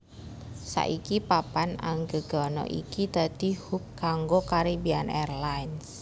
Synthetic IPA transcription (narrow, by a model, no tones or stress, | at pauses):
sa̰ʔikipapana̰ŋɡəɡ̥ɔnɔ̰ʔḭkit̪ət̪ihukkaŋɡokaɾibianɛrlains